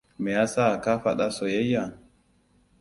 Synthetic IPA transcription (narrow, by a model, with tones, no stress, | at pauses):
mɛ˨ja˦sa˦˨ka˦fa˦ɗa˦so˨je˦ja˨ŋ